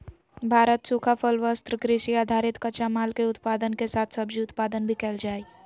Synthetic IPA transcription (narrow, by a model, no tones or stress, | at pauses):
bʱaːɾət̪suːkʰapʰəlʋəst̪ɾəkɾɪʃiaːd̪ʱaːɾɪt̪kət͡ʃamaːlkeʊt̪paːd̪ənkesaːt̪ʰsɐbd͡ʒiʊt̪paːd̪ənbʱikɛːld͡ʒaːi